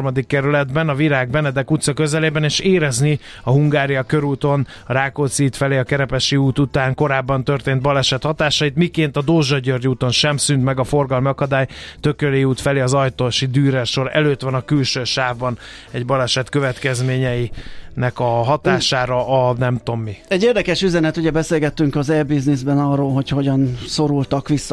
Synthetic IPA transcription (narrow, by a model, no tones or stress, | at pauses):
mɒd̪ikːɛɾylɛd̪bɛnɒviɾaːɡ̚bɛnɛd̪ɛkut̪sɒkø̞zɛleːbɛneːʃeːɾɛzni | ɒɦuŋɡaːɾijɒkøɾuːt̪o̞n | ɒɾaːkoːt̪siːt̪fɛleːɒkɛɾɛpɛʃiuːt̪ut̪aːŋko̞ɾaːbːɒnt̪ørt̪eːnt̪̚bɒlɛʃɛt̪hɒt̪aːʃɒjit̪mikeːnt̪ɒd̪oːʒɒɟørɟuːt̪o̞nʃɛmsynt̪mɛɡɒfo̞rɡɒlmiɒkɒd̪aːjt̪ø̞køleːuːt̪fɛleːɒzɒjt̪oːʃid̪yːɾɛʃo̞ɾɛ̰løːt̪ʋɒnɒkylʃøːʃaːvbɒn | ɛɟbɒlɛʃɛt̪køvɛt̪kɛzmeːɲɛjinɛkɒɦɒt̪aːʃaːɾɒʔɒnɛmt̪o̞mːiɛɟːeːrd̪ɛkɛʃyzɛnɛt̪uɟɛbɛseːlɡɛt̪ːyŋkɒzɛbiznizbɛnɒrːoːlɦo̞cho̞ɟɒnso̞ɾult̪ɒkʋisːɒ